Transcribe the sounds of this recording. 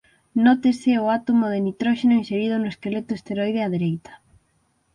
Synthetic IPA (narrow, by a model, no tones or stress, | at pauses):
not̪eseoat̪omoð̞enit̪ɾoʃenoĩnseɾið̞onoeskelet̪oest̪eɾojð̞eaðeɾejt̪ḁ